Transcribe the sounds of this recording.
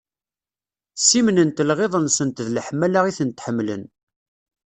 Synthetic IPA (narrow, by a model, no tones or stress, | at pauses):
simnənt̪lʁeðˤənsənt̪ðləħmælaʁiθənt̪ħəmːlə̰n